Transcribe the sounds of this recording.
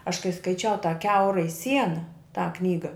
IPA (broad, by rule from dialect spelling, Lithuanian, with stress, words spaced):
ɐʃ kɐɪ skɐɪˈt͡ʃʲɛʊ tɑː ˈkʲɛʊrɐɪ ˈsʲiɛnɐ tɑː ˈknʲiːɡɐ